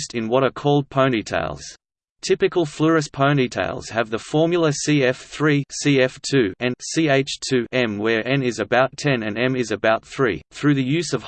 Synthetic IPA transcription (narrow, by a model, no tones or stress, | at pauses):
stɨ̃nwʌɾə˞kʰɔlˠd̚pʰõʊ̃nitʰḛɪlˠz̥ | tʰɪpɨkəlˠfləɹɨspʰə̃ʊ̃nitʰḛɪlˠz̥ɨvðəfɔɹmjl̩ˠəsiɛfθɹisiɛftʰʉɨ̃nsieɪt͡ʃtʰʉʔɛ̃mwə˞ʔɛ̃nɪzɨbaʊtʰɛ̃nɨ̃nɛ̃mɪzɨbaʊt̪̚θɹḭθɹʉðɨjʉzʌv̥